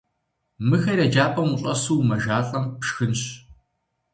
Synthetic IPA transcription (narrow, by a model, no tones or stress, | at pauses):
mɨxɐrɐd͡ʒaːpʰʼɐmʊɕʼɐsuːwmɐʒaːɬʼɐmpʂxɨnɕ